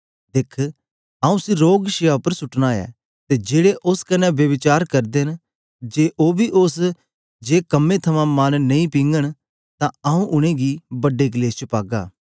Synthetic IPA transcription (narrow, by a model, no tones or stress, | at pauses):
d̪ɪkʰ | ɐːũsiɾoːɡʃɪjaːpəɾsʊʈnaːjɛ̰ː | t̪ed͡ʒeːɽeʔʊskɐnɛʋjəʋɪt͡ʃaːɾkɐɾd̪en | d͡ʒeːʔoːbʱiʔʊs | d͡ʒeːkɐmːẽt̪ʰɐmãmɐnːɐĩpĩːŋɡəɽ̃ | t̪ãɐũʔʊɽ̃ẽɡibəɖːek̬leːst͡ʃəpaːɡa̰ː